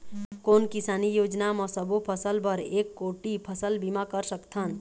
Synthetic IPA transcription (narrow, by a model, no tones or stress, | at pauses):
koːnkɪsaːnijoːd͡ʒnaməsəbopʰəsəlpəɾeːkːoːʈipʰəsəlbimakəɾsəkt̪ʰən